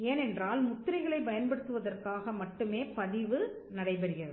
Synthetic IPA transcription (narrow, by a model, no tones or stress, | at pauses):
eːnɛndraːlmʊt̪ːɪɾɐɪɣɐɭɐɪbɐjɐnpɐɽɯt̪ːɯʋɐðɐrkaːɣɐmɐʈːɯmeːpɐðɪʋɯ | nɐɽɐɪpɐɾɪjɐðɯ